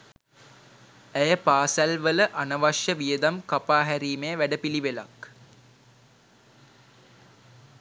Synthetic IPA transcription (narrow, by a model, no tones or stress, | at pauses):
æjəpaːsælʋələʔanəʋaʂjəʋijəd̪amkapaːɦæɾiːmejəʋæɖəpiliʋela̰k